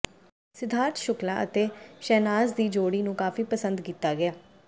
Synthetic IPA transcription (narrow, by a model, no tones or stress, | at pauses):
sɪd̪ʱaːɾt̪ʃʊklãːʔət̪eːʃɛːnaːzd̪iːd͡ʒoːɽiːnũːkaːfiːpəsə̃nd̪kiːt̪ːaːɡɪaː